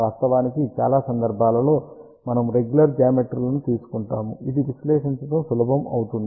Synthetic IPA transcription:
aːst̪ɐʋaːnikit͡ʃa̰ːlaːsɐnd̪ɐɾbʱaːlɐlo̞ː | mɐnɐmɾe̞ɡjulɐɾd͡ʒɐːameʈɾlɐnut̪iːsu̥kuɳʈaːmuid̪iʋiʃlɛːʂiɲt͡ʃɐʈɐmsulɐbʱɐmɐ̰wut̪und̪

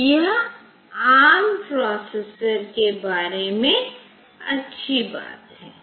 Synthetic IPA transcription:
jɐɦ | aːmpɾɔːseːsəɾkebaːɾemẽ | ɐtːʃʰiba̰ːt̪ɦɛː

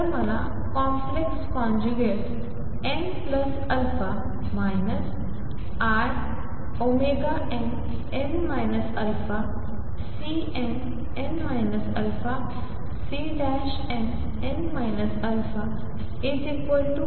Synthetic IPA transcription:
məla̰ | kɔ̃mplekskɔ̃nd͡ʑuɡeʈ | en | pləs | ɐlfa | majnəs | aɾ | omeɡaʔɛ̃ɳ | enmajnəsɐlfa | si | ɛ̃n | enmajnəsɐlfa | siɖɛʃ | ɛ̃ | enmajnəsəlfʰa | izikʋəlʈu

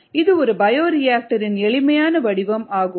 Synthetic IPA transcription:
ɪðɯɔɾɯbɐjoːɾɪjaːk̚ʈɐɾɪnɛɭɪmɐjaːnɐʋɐɽɪʋɐmaːɣɯ

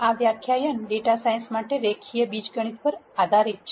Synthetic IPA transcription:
aʋjakʰjajənɖeʈasajə̃nsmaʈeɾekʰijəbid͡ʒɡəɽ̃it̪̚pəɾad̪ʱaɾit̪̚t͡ʃʰ

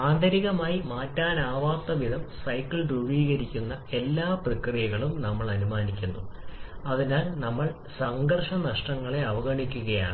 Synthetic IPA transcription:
aːnd̪ʱɐɾiɣɐmaːjimaːtːaːnaːʋaːt̪ːɐʋid̪ʱɐmsɐjkːɐɭɖuɻiːɣɐɾikʲːunːɐe̞lːaːprɐkrijɐɣɐɭumnɐmːɐɭɐnumaːnikʲːunːuɐðinaːlnɐmːɐɭ | sɐŋɡɐrʂɐnɐʂʈɐŋːɐɭe̞ɐʋɐɣɐɳikʲːuɣɐja̰ːɳɨ

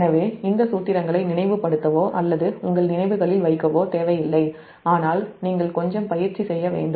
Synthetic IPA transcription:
nɐʋeːɪnd̪ɐsuːt̪ːɪɾɐŋɡɐɭɐɪnɪnɐɪʋɯpɐɽɯt̪ːɐʋoːʔɐlːɐðɯʊŋɡɐɭnɪnɐɪʋɯɣɐɭɪlʋɐɪkːɐʋoːt̪eːʋɐjɪlːɐɪ | aːnaːlniːŋɡɐɭkɔɲd͡ʒɐmpɐjɪɾt͡ʃːisɛjːɐʋḛːɳɖɯ

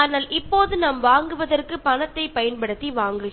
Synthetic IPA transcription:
aːnaːlʔɪpːoːðɯnɐmʋaːŋɡɯʋɐðɐrkɯpɐnɐt̪ːɐɪpɐjɐnpɐɽɯt̪ːiʋaːŋɡɯ

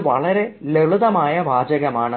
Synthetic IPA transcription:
ʋɐ̰ɭɐɾe̞leɭuðɐmaːjɐʋaːd͡ʑɐɣɐmaːɳɨ

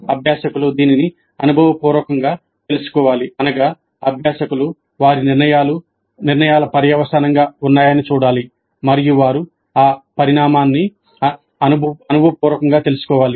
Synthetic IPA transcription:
ɐbʱjaːʃɐkulud̪iːnini | ɐnubʱɐʋɐpuːɾʋɐkɐŋɡaː | t̪e̞lusu̥kɔːʋaːliɐnɐɡaː | ɐbʱjaːʃɐkulu | ʋaːɾiniɾnɐjaːlu | niɾnɐjaːlɐpɐɾjɐʋɐsanɐŋɡaːunːaːjɐnit͡ʃuːɽaːli | mɐɾijuʋaːɾu | aːpɐɾiɳaːmaːnːi | ɐnubʱɐnubʱɐʋɐpuːɾɐkɐŋɡaːt̪e̞lusu̥kɔːʋaːli

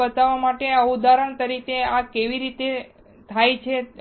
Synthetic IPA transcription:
ət̪aʋamaʈeəud̪aɾəɳt̪əɾikeakeʋiɾit̪e | t̪ʰajt͡ʃʰe

